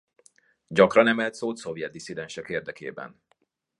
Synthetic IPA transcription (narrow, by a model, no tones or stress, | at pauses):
ɟɒkrɒnɛmɛlt̪soːt̪sovjɛd̪̚d̪isid̪ɛnʃɛkeːrd̪ɛkeːbɛ̰n